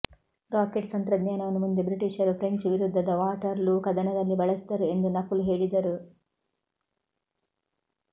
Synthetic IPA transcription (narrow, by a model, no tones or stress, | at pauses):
ɾaːkeʈt̪ɐnt̪ɾɐd̪ɲaːnɐʋɐnumund̪ebɾiʈiʂɐɾupɾeɲt͡ʃuʋiɾud̪ʱːɐd̪ɐʋaːʈɐɾlukɐd̪ɐnɐd̪ɐlːibɐɭɐsid̪ɐɾue̞nd̪unɐkːuluɦeːɭid̪ɐɾu